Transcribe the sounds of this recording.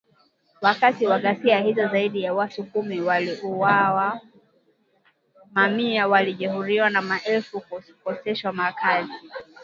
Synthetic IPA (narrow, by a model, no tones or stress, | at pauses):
wakatiwaɠasiahizɔzaiɗijawatukumiwaliʔuawa | mamiawaliʄɛhuɾiwanamaʔɛlfukɔsɛʃwamakazi